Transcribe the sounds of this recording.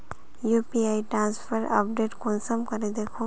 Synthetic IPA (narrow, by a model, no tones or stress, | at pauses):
jupiajʈɾãnspʰəɾa̰pɖeʈkonsəmkəɾed̪ekʰõ